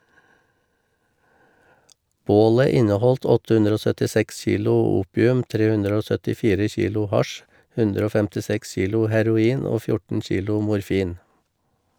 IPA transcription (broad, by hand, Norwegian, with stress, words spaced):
ˈboːlə ˈɪnəˌhɔlt ˈɔtə ˈhʉndɾ ˈoː sœtɪˈsɛks ˈçiːlʊ ˈuːpɪʉm ˈtɾeː ˈhʉndɾ ˈoː sœtɪˈfiːɾə ˈçiːlʊ ˈhɑʃ ˈhʉndɾ ˈoː fɛmtɪˈsɛks ˈçiːlʊ hæɾʊˈiːn ˈoː ˈfjʊʈn̩ ˈçiːlʊ mʊɾˈfiːn